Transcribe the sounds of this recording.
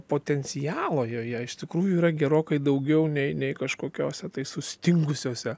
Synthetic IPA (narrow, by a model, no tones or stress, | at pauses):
poːt̪ʲɛnʲsʲɪjæːlˠoːjoːjɛɪʃt̪ʲɪkɾuːjʊiːɾɐɡʲɛɾoːkɐɪd̪ɐʊɡʲɛʊnʲɛɪnʲɛɪkɐʃkoːkʲoːsʲɛt̪ɐɪsʊsʲt̪ʲɪŋɡʊsʲoːsʲɛ